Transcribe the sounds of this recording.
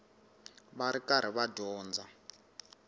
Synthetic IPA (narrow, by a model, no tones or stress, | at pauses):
βaɾikaɾ̤iβadɔːnd͡za